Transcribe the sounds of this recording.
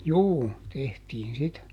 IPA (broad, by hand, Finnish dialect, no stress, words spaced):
juː tehtiːn sitæ